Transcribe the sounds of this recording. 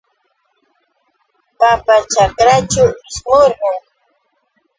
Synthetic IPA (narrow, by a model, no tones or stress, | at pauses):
papat͡ʃakɾat͡ʃawɪʃɢoɾɢʊŋ